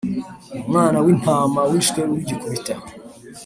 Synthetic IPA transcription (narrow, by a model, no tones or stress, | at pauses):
mŋaːnawin̥haːmawiʃteuɾiɟikoβita